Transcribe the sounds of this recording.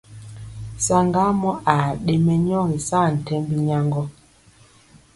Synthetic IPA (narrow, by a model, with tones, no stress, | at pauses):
sa˦ŋɡa˦mɔ˦ʔa˨ɗe˦mɛ˦ɲɔ˦ɣi˨saː˦˨n̩˨tɛ˦mbi˦ɲa˦ŋɡɔ˦